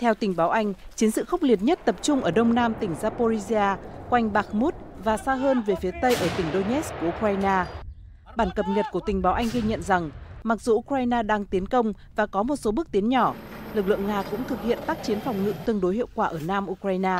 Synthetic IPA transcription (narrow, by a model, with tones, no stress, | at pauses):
t̪ʰɛ˧wt̪ï˨˩ŋ̟ɓaː˨˦wʔa˧jŋ̟t͡ɕi˨˦nsɨ̰˧˨xə˦˥k͡p̚li˨˩ət̚ɲə˦˥t̚t̪ə˨˩p̚t͡ɕʊ˧ŋ͡mʔəː˧˩ɗə˧wŋ͡mnaː˧mt̪ï˨˩ŋ̟zaː˧po˧zi˧zi˧aː˧kwa˧jŋ̟ɓaː˦˥k̚mu˦˥t̚vaː˨˩saː˧ɦəː˧nve˨˩fi˨˦ət̪ə˧jʔəː˧˩t̪ï˨˩ŋ̟ɗo˧nɲɛ˦˥sku˧˩ʔu˧kwaː˧jnaː˧ | ɓaː˧˩nkə˨˩p̚ɲə˨˩t̚ku˧˩ət̪ï˨˩ŋ̟ɓaː˨˦wʔa˧jŋ̟ɣi˧ɲə̰˧˨nza˨˩ŋma˨˩k̚zu˨˩ʔu˧kɾaː˧jnaː˧ɗaː˧ŋt̪i˨˦ənkə˧wŋ͡m | vaː˨˩kɔ˨˦mo˨˩t̚so˨˦ɓɨ˦˥k̚t̪i˨˦ənɲɔ˧˩lɨ˨˩k̚lɨ̰˧˨əŋaː˧kʊ̰˧˥ŋ͡mt̪ʰɨ˨˩k̚hḭ˧˨ənt̪aː˦˥k̚t͡ɕi˨˦ənfɔ˨˩wŋ͡mŋɨ̰˧˥t̪ɨ˧əŋɗo˨˦jhḭ˧˨ə˨wkwaː˧˩ʔəː˧˩naː˧mʔu˧kɾaː˧jnaː˧